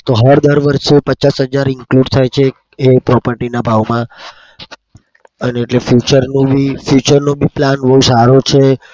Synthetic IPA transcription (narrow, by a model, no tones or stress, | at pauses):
t̪oɦəɾd̪əɾʋəɾʃepət͡ʃasɦəd͡ʒaɾɪŋkluɖt̪ʰajt͡ʃʰe | epɾɔpəɾʈinabʱaʋmã | əneːʈlefjut͡ʃəɾnõbʱifjut͡ʃəɾnõbʱiplanʋəɦũsaɾot͡ʃʰe